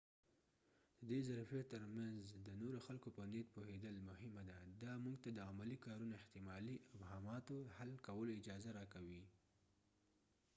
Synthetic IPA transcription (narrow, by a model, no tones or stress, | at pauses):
d̪əd̪ezaɾfiet̪ːəɾmanzd̪ənoɾoxalkopənet̪̚pohed̪əlmʊhɪmad̪ad̪ɑmuɡt̪ad̪əamalikɑɾunaɪht̪ɪmɑliʔɪfhɑmɑt̪ohalkawəloɪd͡ʒɑzaɾɑkawi